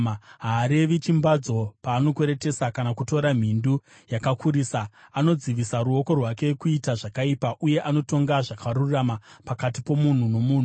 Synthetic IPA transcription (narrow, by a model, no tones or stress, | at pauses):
ɦaːɾe̞ʋit͡ʃimbad͡zo̞paːno̞kwe̞ɾe̞te̞sakanakuto̞ɾam̤indu | jakakʰuɾiːsaano̞d͡ziʋisaɾuo̞ko̞rwake̞kuitaʐakaipaʔuje̞ʔano̞to̞ŋɡaʐakarurramapakatipo̞mun̤uno̞muːn̤u